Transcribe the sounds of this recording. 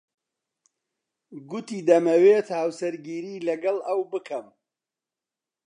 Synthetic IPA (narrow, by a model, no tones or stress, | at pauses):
ɡʊt̪iːd̪ɐmɐweːt̪haːwsɐɾɡiːɾiːlɐɡɐlɐwbɨkʰɐm